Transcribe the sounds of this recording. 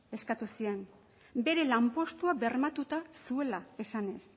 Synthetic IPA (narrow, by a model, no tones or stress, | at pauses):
e̞skat̪usien | be̞ɾe̞lampo̞st̪uabe̞rmat̪ut̪asue̞lae̞sane̞s